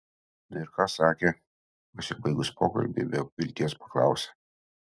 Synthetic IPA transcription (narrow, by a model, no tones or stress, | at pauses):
nɐɪɾkɑːsɑːkʲeː | ɐsʲɪbɐɪɡʊspʰoːkɐ̰lʲbʲḛbʲepʋʲɪlʲt̪ʲiɛspɐklˠɑ̰ˑʊsʲe